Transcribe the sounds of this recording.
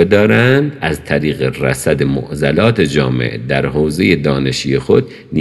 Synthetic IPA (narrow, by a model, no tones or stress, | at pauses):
ed̪ɒːɾænd̪æzt̪ʰæɾiːɣeræ̰sæd̪emo̰ʔzælɒːt̪ʰed͡ʒɒːmḛʔd̪æɾɦoːze̞jed̪ɒːne̞ʃiːjexod̪ | n